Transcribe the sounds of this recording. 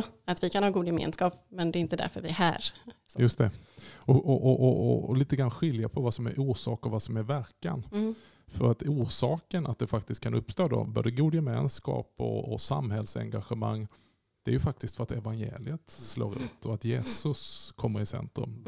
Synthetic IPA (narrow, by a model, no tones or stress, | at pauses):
at̪vɪkʰanhɑːɡuːd̪jɛmḛːnskɑːpmɛnd̪ɛɪnt̪əd̪æ̰ɾfœɾvɪæɦæ̰ːɾjɵst̪ʰɛɔʔɔʔɔʔɔliːt̪əɡɾanɧɪljapʰɔvasɔmæ̰ɾʔuːʂɑ̰ːkɔvasɔmæɾvæɾkan | fœɾat̪uːʂɑːkənat̪̚d̪ɛfak̚t̪ɪst̪̚kʰanɵpːst̪oːd̪ɔ̰bo̰ːd̪əɡuːd̪jɛmḛːnskɑ̰ːpɔ̰ːsa̰mɦɛlsɛ̰ŋɡaɧəma̰ŋː | d̪̥ɛæɾjɵfak̚t̪ɪst̪fœɾat̪ɛvanjḛːlɪət̪slo̰ːɾʉ̟ːt̪ʰɔat̪jeːsɵskʰɔmːəɾɪsɛ̰nt̪ɾɵ̰m